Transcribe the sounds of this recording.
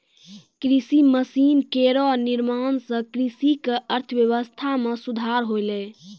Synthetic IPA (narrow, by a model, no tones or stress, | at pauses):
kɾisiməsinkeɾoniɾmansə̃kɾisikeəɾt̪ʰəʋjəʋəst̪ʰamesud̪ʱaɾɦojlɛ